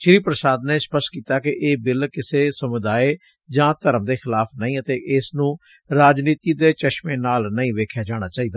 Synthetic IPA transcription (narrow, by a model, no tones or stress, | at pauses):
ʃɪɾiːpɾəsaːd̪neːspəskiːt̪aːkɪʔeːbɪlkɪseːsəmʊd̪aːeː | d͡ʒãːt̪əɾəmd̪eːxʰɪlaːpʰnəĩːət̪eːʔɪsnũː | ɾaːd͡ʒniːt̪iːd̪eːt͡ʃəʃmẽːnaːlnəĩːʋeːkʰjaːd͡ʒaːɽ̃aːt͡ʃaːiːd̪aː